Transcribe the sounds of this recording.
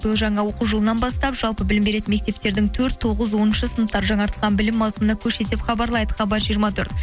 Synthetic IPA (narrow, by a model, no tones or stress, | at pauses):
b̥əlˠʒɑɴɑwo̞quʒolˠənɑnbɑst̪ɑpʒ̥ɑlˠpəbɪlɪmbe̞ɾe̞t̪ɪnme̞k̚t̪e̞p̚t̪e̞ɾd̪ɪŋt̪ʰɵɾt̪ʰːoʁəzwo̞nənʃəsənəp̚t̪ːɑɾʒɑŋɑɾt̪əlˠʁɑnbɪlɪmːɑzmənɑkʲʰɵɾʃe̞t̪ɪpχɑbɑɾlˠɑjd̪əχɑbɑtʒijəɾmɑt̪ʰɵ̰ɾt̪